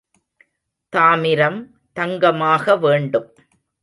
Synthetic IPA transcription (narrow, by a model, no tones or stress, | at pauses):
t̪aːmɪɾɐm | t̪ɐŋɡɐmaːɣɐʋeːɳɖɯm